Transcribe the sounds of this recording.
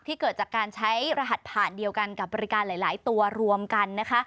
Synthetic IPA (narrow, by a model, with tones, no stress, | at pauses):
k̚t̪ʰiː˥kɤː˨˩t̪̚t͡ɕaː˨˩kːaː˧nt͡ɕʰa˦˥jɾaː˧ɦa˨˩t̪̚pʰaː˨˩ndi˧əwka˧nka˨˩bɔː˧ɾi˦˥kaː˧nlaː˨˩˦jlaː˩˦jt̪u˧ɐɾu˧əmka˧nːa˦˥kʰa˦˥